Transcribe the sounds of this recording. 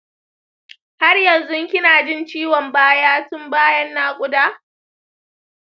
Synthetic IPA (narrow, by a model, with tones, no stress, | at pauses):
ha˦rjɐ˨nzʊ˦ŋkʲɪ˦naː˨d͡ʒɪ˦nt͡ʃiː˦wɔ˨mbaː˦jaː˦tʊ˦mbaː˦jɐ˦nːaː˦kʷʼʊ˦daː˦